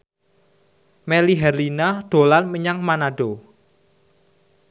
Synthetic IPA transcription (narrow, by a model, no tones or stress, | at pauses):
mɛliɦɛrlinaɖ̥o̤lanməɲaŋmanaɖ̥o